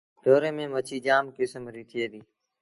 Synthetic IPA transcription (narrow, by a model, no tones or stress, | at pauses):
d̪oːɾeːmẽːmət͡ʃʰiːd͡ʒaːmkɪsəmɾiːt̪ʰɪjeːd̪iː